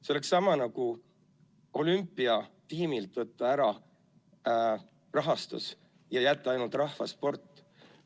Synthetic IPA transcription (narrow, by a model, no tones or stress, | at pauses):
seoleksːɑmɑnɑɡu | o̞lympːˑiɑt̪iːmilt̪ˑvɤt̪ˑːɑæɾɑ | rɑɦɑst̪ṵs | jɑjæt̪ːˑɑɑjnult̪ˑrɑhfɑspo̞rt̪ːˑ